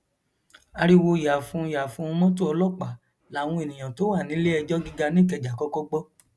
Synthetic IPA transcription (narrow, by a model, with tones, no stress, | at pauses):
a˧ɾi˦wo˧ja˨fũ˦˧ja˨fũ˦˧˦mɔ̃˦t̬o˦ɔ˧lɔ˦k͡pa˨ | la˨˦˨w̃ũ˧˦e˨nĩ˨j̃ã˨to˨˦wa˦˨nĩ˨˦le˦ɛ˧d͡ʒɔ˦ɡi˦ɡa˧nĩ˦˨kɛ˧d͡ʒa˨kɔ˨˦kɔ˦ɡ͡bɔ˦